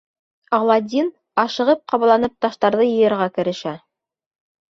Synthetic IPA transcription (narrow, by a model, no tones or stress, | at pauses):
ɑʁlˠɑd̪ʲin | ɑʃɤ̆ʁɤp̚qɑβɑlˠɑnɤp̚t̪ɑʃt̪ɑɾðɤjɤ̆jɤ̆ɾʁɑkɘ̆ɾɘ̆ʃæ